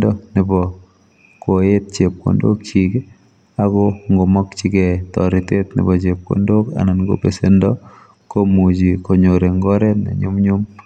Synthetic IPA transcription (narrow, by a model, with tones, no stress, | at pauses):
dɔ˦nɪ˨bɔ˨ | ko˨e˦t̚t͡ʃe˨p̚ko̰˨ndo̰˦kt͡ʃik | a˨kɔ˦ŋɡo˨mɔ˦kt͡ʃi˦kɛ˨tɔ̰˨ɾɪ˨te˦tnɪ̰˨bɔ˨t͡ʃe˨p̚ko̰˨ndo˦ka̰˨na˨nɡo̰˦pe˨se˦ndɔ | ko˦mu˨d͡ʒi˨ko˨ɲo˨ɾe˨ŋɡɔ˦ɾɛ˦nḛ˨ɲʊ̰˦mɲu˦m